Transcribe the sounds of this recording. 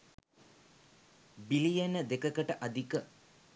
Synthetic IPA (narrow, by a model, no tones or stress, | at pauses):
bilijenəd̪ekəkəʈəʔad̪ikə